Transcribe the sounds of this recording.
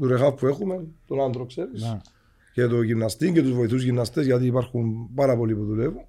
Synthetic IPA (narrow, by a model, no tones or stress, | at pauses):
t̪uɾexafpue̞xume̞nt̪onɐnd̪ɾokse̞ɾis | cet̪oʝimnɐst̪iŋɟet̪uzvoiθuzʝinːɐst̪ezʝɐt̪iːpɐɾxunpɐɾɐpo̞lipuðulevun